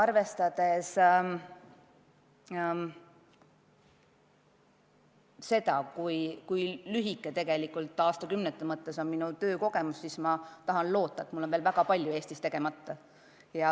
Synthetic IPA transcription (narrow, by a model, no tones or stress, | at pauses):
ɑrve̞st̪ɑd̪̥e̞s | se̞d̪̥ɑkujkujlyɦikːˑet̪e̞ɡ̥e̞likːˑult̪ːˑɑːst̪ɑkymnet̪ːˑɑmɤt̪ˑːe̞so̞nminut̪ø̞ːko̞ɡ̥e̞mussismɑt̪ɑɦɑnlo̞ːt̪ˑːɑet̪mulːonveːlvæɡ̥ɑpɑlʲjue̞ːst̪ist̪e̞ɡ̥e̞mɑt̪ːɑ | jɑ